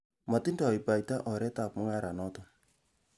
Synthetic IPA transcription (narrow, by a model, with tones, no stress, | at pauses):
ma˨ti˦ndɔ˨i˨pa˨jta˦ʔɔ˨ɾɛ˦ta˨pmʊ˦ŋa˦ɾa˨nɔ˦ta˨